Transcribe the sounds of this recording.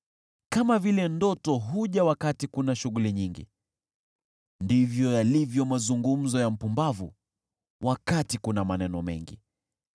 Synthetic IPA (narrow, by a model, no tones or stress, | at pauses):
kamavilɛndɔtɔɦuʄawakatikunaʃuɣuliɲiŋɡḭ | ndivjɔjalivjɔmazuŋɡum̩zɔjam̩pumbavṵ | wʔakatikunamanɛnɔmɛ̰ŋɡḭ